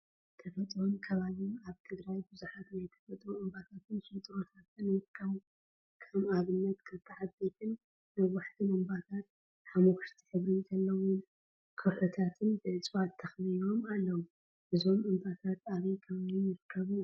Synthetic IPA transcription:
t̪ʰɐfɐt̪ʼɾonkʰɐβaβimaβt̪ʰɨɡɾajbɨzuħat̪najt̪ʰɐ̥fɐt̪ʼɾoʔɨmbat̪ʰat̪ʰɨnsɨt̪ʼɾot̪ʰat̪ɨnɨɾɨkʰːɐβu | kʰɐmaβɨnːɐt̪kʰɨt̪ʰːaʕat̪bet̪ʰɨn | nawaħt̪ʰimɨmbat̪ʰat̪̚ | ħamokɨ̥ʃt̪ʰi̥ħɨβɾizɐlːɐwun | kʰɐħot̪ʰat̪ʰɨnbɨʔɨt͡sʼwat̪ʰːɐxnio̞malːɐwu | ʔɨzo̞mʔɨmbat̪ʰat̪aβɐjkʰɐβaβiɨɾɨkʰːɐβu

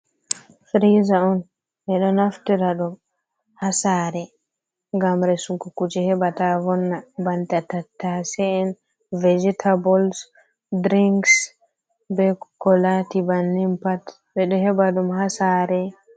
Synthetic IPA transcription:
fɾizaɔn | ɓɛɗɔnaftiɾaɗum | hasaːɾɛ | ŋɡamɾɛsukukud͡ʒɛhɛbatavɔnːabantatatːasɛɛn | vɛd͡ʒɛtʰabɔls | dɾiŋks | bɛkɔlatibanːimpat | bɛɗɔhɛbaɗumhasaɾɛ

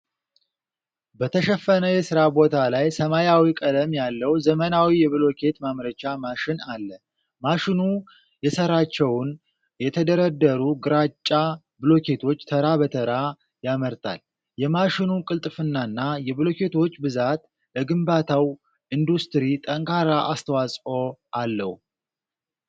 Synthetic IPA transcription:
bət̪ʰəʃəfːənəjɛsɨɾabo̞t̪ʰalajsəmajawikʼəd̪əmjalːəwzəmənawijɛβɨlo̞kʰe̞t̪mamɾət͡ʃamaʃɪnalːə | maʃɪnu | jɛsəɾat͡ʃːɛwn | jɛt̪ʰəd̪əɾəd̪ːəɾuɡɨɾat͡ʃʼːa | bɨlo̞kʰe̞t̪ʰo̞t͡ʃːt̪ʰəɾabət̪ʰəɾa | jaməɾt̪ʰa̰l | jɛmaʃɪnukʼɨlt̪ʼɨfɨnːanːajɛβlo̞kʰe̞t̪ʰo̞t͡ʃːbɨzat̪ | bəɡɨmbat̪ʰaw | ɨnd̪ust̪ɨɾit̪ʼəŋkʰaɾaʔast̪ʰəwasʼo̞ʔalːəhu

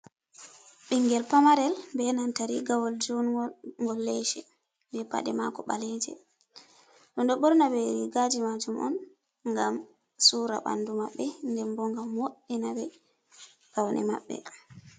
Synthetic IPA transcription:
ɓiŋɡɛlpamaɾɛlmbɛnantaɾiɡawɔld͡ʒuŋɡɔlːejʃɛ | bɛpa̰ɗɛma̰kɔɓaled͡ʒɛ̰ | ɗɔnɗɔɓɔɾnabɛɾiɡad͡ʒimad͡ʒumʔɔ̰n | ŋɡam | suɾa̰ɓa̰ndumaɓːɛndɛmbɔŋɡamwoɗːinabɛ | ɡ̥awnʔɛ̰ma̰ɓːɛ̰

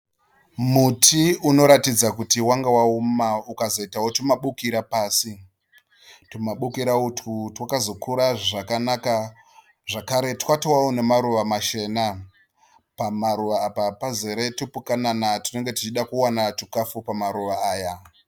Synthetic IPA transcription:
mutʰiuno̞ɾatid͡zakutiwaŋɡawaumaukazo̞itawotumaɓukiɾapaːsi | tumaɓukiɾaututwakazo̞kuɾaʐakanaka | ʐakaɾe̞twatowaunemaɾuʋamaʃe̞na | pamaɾuʋaːpapaze̞ɾe̞tupukananatine̞ŋɡe̞tit͡ʃiɗakuwanatukafupamaɾuʋaaːja

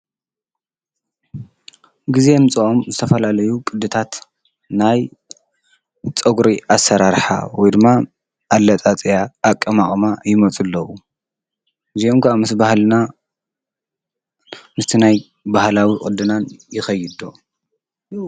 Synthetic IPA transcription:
ɡize̞mɨt͡sʼuʔomzɨt̪ʰɐfɐlalɐjukʼɨd̪ːɨt̪ʰat̪ | naj | t͡sʼɐɡɾiʔasːɐɾaɾħa̰wɔjd̪ɨmːa | ʔːlːɐt͡sʼat͡sʼjaːkʼːɐmaχʼmajɪmɐt͡sʼɨlːɐwu | ʔɨziomkʰɐʔamɨsbahlna | mɨst̪ʰinaj | bahlawikʼɨd̪ɨnanjɪxɐjɪd̪o

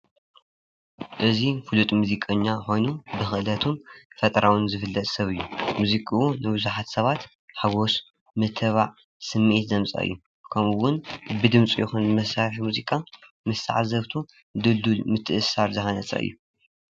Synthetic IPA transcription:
ʔɨzifɨlut̪ʼmuzikʼɐɲːaxo̞jnubɨxɨʔɨlɐt̪ʰumfɐt̪ʼɾawʊnzɨfɨlːɐt̪ʼsɐβɨjːumuzikʼiunɨbɨzuħat̪sɐβat̪ | ħaɡo̞s | mɐt̪ʰɨβaʕ | sɨmːʔit̪zɐmt͡sʼɐ̰ɨ̰jːu | kʰɐmɨwʊnbɨd̪ɨmt͡sʼijɪxunbɨmɐsaħimuzikʼa | mɨst̪ʰa̰ʕazɐβt̪ʰu | d̪ɨld̪ulmɨt̪ʰːɨʔɨsːaɾzɨxɐnɐt͡sʼɐ̰ʔɨ̰jːu

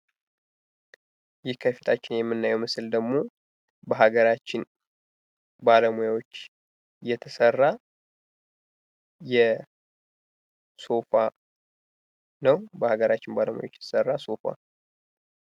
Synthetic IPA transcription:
jɪhkʰəfi̥t̪ʰat͡ʃːɪnjɛmːɨnːajɛwmɨsɨld̪əɡmo̞ | bəɦaɡəɾat͡ʃːɪn | baləmujawot͡ʃː | jɛt̪ʰəsərːa | jɛ | so̞fa | nəwbəhaɡəɾat͡ʃːɪnbaləmujawot͡ʃːjɛt̪ə̥sərːaso̞fa̰

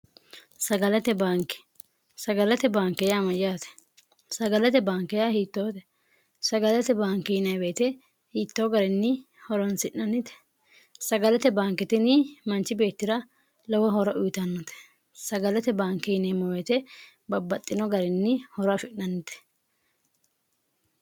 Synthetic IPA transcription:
sɐɡɐlɐt̪ɛbaːŋkɛ̥ | sɐɡɐlɐt̪ɛbaːŋkːɛjamɐjaːt̪ɛ̥ | sɐɡɐlɐt̪ɛbaːŋkːɛjahiːt̪ːoːt̪ɛ̥ | sɐɡɐlɐt̪ɛbaːŋkɛjɪnɐjbeːt̪ɛ | hiːt̪ːoːɡɐɾɛnːɪ | hɔɾɔnsɪnnɐnːɪt̪ɛ̥ | sɐɡɐlɐt̪ɛbaːŋkɛt̪ɪnɪmɐnt͡ʃːɪbe̞ːt̪ːɪɾɐ | lɛwɐɦɔɾɔʔʊjt̪ɐnːɔt̪ɛ̥ | sɐɡɐlɐt̪ɛbaːŋkɛɪnɐjmɔwɛt̪ɛ | bɐbːɐt̪ʼːɪnɔɡɐɾɛnːɪhɔɾɐfɪnːɐnːɪt̪ɛ̥

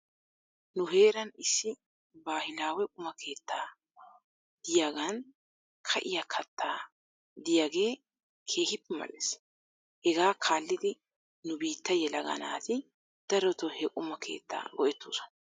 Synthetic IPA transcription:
nʊɦe̞ːɾɐnɪsːɪ | baːhɪnaːwɛkʼʊmɐkʰe̞ːt̪ʰːaː | d̪̥ɪjaːɡan | kʰɐ̰ʔɪjɐkʰɐt̪ʰːaː | d̪ɪjaːɡe̞ː | kʰe̞ːhɪpːɛmɐ̰lːes | hɛɡaːkʰaːlːɪd̪ɪ | nʊbiːt̪ːɐjɛlɐɡɐ̰na̰ːt̪ɪ | d̪̥ɐɾɔt̪ɔhɛkʼʊmɐkʰe̞̰ːt̪ʰːa̰ːɡɔʔɛt̪ːuːsɔ̥n

